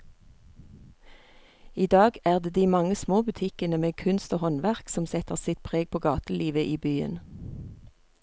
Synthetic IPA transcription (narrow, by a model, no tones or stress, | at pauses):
iːd̪ɑːɡæːʁd̪eːd̪iːmɑŋəsmoːbʉt̪ʰɪkənəmeːkʰʉnst̪oːhɔnʋæʁksɔmsɛt̪əʁsɪt̪̚pʰʁeːɡ̚pʰoːɡɑːt̪əliːʋəʔiːbyːə̰n